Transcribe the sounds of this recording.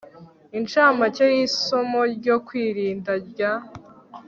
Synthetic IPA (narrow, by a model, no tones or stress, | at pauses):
int͡ʃaːmacejisomoɾɟokwiːɾiːndaɾɟa